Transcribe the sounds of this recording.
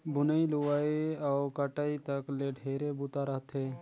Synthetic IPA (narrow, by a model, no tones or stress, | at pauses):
bʊnəilʊʋaːeɔːkəʈait̪ɐkleɖʱeːɾebut̪aɾɐɦət̪ɦeː